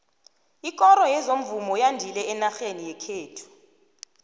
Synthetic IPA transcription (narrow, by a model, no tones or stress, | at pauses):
ikʼɔɾɔjɛzom̩vumɔjandʱilɛːnaxenijɛkʰeːtʰu̥